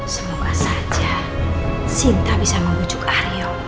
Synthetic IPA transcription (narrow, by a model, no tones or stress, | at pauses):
səmuɡasḁd͡ʒ̥a | sint̪abisaməŋɡu̥d͡ʒ̥ʊkaɾijɔ